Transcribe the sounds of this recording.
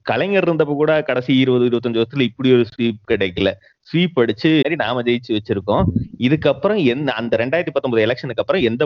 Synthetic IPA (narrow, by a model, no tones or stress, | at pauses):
kɐɭɐŋɡɐɾɪɾɯnd̪ɐpːoːkuːɽɐkɐɽɐsijɪɾɯbɐðɯɪɾɯbɐt̪ːɔɲd͡ʒɯʋɐsɾɐt̪ːɪlɪpːɐɽɪjɔɾɯsʋiːp̚kɪɽɛkːɪlːɐ | sʋiːpːɐɽɯt͡ʃːɯːɾinaːmɐd͡ʒɐjɪt͡ʃːɯʋɐt͡ʃːɪɾɯkːõːɪðɯkːɐpːɯɾɔ̃ɛnɐnd̪ɐɾɛɳɖaːɪɾt̪ːipɐt̪ːɔmbɐðɯɛlɛkʂɐnɯkːɐpːɯɾɐ̃ɛnd̪ɐ